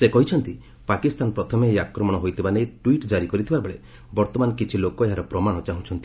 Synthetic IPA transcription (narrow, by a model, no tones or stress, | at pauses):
sekɔɦit͡ʃʰɔnt̪i | pakist̪anɔpɾɔt̪ʰɔmejakɾɔmɔɽ̃ɔɦojt̪ʰibanejʈwiʈd͡ʒaɾikɔɾit̪ʰibabeɭe | bɔɾt̪ɔmanɔkit͡ʃʰilokɔeɦaɾɔpɾɔmaɽ̃ɔt͡ʃaɦũt͡ʃʰɔnt̪i̥